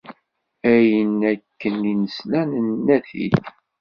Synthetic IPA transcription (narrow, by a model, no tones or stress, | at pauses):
æjənækːəninəslænənːæθḭθ